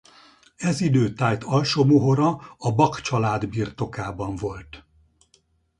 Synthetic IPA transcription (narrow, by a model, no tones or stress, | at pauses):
ɛzid̪øːt̪aːjt̪ɒlʃomuɦoɾɒɒbɒkt͡ʃɒlaːd̪biːrt̪o̞kaːbɒɱvo̞lt̪